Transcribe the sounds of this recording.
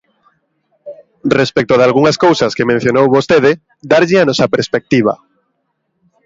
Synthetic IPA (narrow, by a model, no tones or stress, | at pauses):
respek̚t̪oðalɣuŋaskowsɐskemẽn̟θjonowβost̪eðɪ | d̪aɾʎɪanɔsɐpeɾspek̚t̪iβ̞a̰